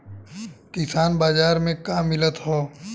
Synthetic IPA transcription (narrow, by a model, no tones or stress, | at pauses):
kɪsaːnbaːd͡ʒaːɾmẽkaːmɪlət̪ɦoː